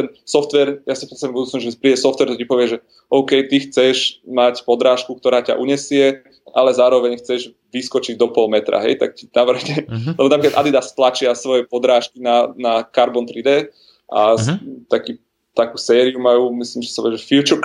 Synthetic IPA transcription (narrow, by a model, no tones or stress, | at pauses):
t̪ɛnsɔft̪ʋɛɾjasipɾɛst̪aɛmbud̪uːt͡snɔʒɛpɾiːdɛsɔft̪ʋɛɾt̪ɛcipɔʋɪɛʒɛ | ɔʊkɛjt̪ixt͡sɛʒmacpɔd̪ɾaːʃkuk̚t̪ɔɾaːca̰ʔuɲɛsɪɛ | ʔalɛzaːɾɔʋɛɲxt͡sɛʒ | ʋiskɔt͡ʃiɟd̪ɔpɔlmɛt̪ɾa̰ɦɛ̰jt̪a̰k̚cinaʋr̩ɦɲɛlɛbɔnapɾikad̪ad̪id̪ast̪lat͡ʃɪasʋɔjɛpɔd̪ɾaːʃkinanakaɾbɔnt̪ɾid̪ɛ | ʔa̰t̪akiː | t̪akuːsɛːɾiumajuːmisliːmʒɛ̥sapɔʋɛʒɛfilt͡ʃɔk